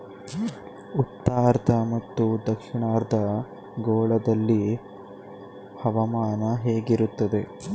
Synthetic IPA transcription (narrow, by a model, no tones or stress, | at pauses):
ut̪ːaːɾd̪ʱɐmɐt̪ːud̪ɐkʂiɳaːɾd̪ʱɐ | ɡoːɭɐd̪ɐlːi | hɐʋɐmaːnɐɦeːɡiɾut̪ːɐd̪e̞